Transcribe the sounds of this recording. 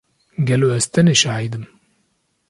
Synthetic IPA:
ɡɛloɛst̪ɛneʃahijd̪ɨm

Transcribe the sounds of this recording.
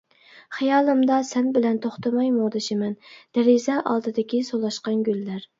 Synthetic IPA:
χijɑːlˠɨmd̪ɑsɛnbɪlɛnt̪ʰoχt̪ɑmɑjmoʁd̪ɨʃɪmɛnd̪̥ɛɾɪzɛʔɑlˠd̪ɨd̪ɪkʲisolˠɑʃqɑnɡʲylːæɾ

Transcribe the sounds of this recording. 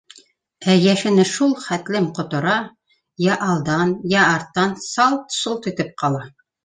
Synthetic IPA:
æjæʃɘ̆nɘʃulˠχæt̪lɘmqŏt̪ŏɾɑ | jæʔɑlˠd̪ɑnjæɑɾt̪ːɑnsɑlˠt̪solˠt̪it̪ɘp̚qɑlˠɑ

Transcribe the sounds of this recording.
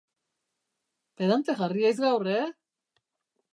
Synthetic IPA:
peðant̪exariajz̬ɣawre

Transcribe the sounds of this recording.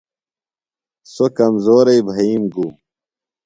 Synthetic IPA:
sokɐmzoːɾɐibʱɐiːmɡu

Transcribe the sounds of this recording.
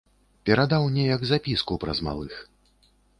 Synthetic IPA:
pʲɛɾad̪awnʲɛjɐɡzapʲiskupɾɐ̰zma̰lˠɨx

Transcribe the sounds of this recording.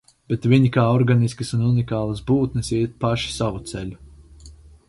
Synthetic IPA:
b̥et̪viɲikaːɔɾɡaniskɨsununikaːlˠasbuːt̪nɨsiɛt̪̚paʃi̥savut̪seʎʲu

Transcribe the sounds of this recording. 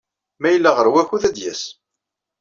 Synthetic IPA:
mæjəlːaʁəɾwæçuðæd̪jæ̰s

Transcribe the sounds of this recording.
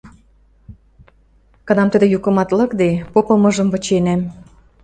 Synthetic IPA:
kɑnɑmt̪əd̪ĕjukə̆mɑt̪lɤ̆kd̪epopɤmɤ̆ʒə̆mvə̆t͡ɕenæm

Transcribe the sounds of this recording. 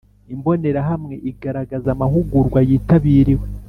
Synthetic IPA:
imbo̞ne̞ɾaɦamŋe̞ʔiɡaɾaɡazamahuɡuɾɡwajiːtaβiːɾiwe

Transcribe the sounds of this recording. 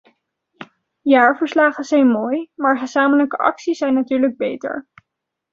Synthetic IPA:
jaːɹvəɹslaːχəzɛjnmoːjmaːɹχəzaːmələkəʔɑ̰ksiszɛjnatyːɹləɡ̚bejtə̰ɹ

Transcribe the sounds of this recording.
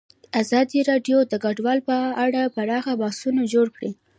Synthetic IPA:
azɑd̪iɾɑɖjod̪əɡaɖwɑlpəaɽapaɾɑxabɑsunad͡ʒoɽkɽi

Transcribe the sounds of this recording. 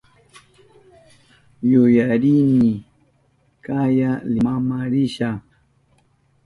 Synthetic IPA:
jʊjaɾinɪ | kajalɪmamaɾɪʃa

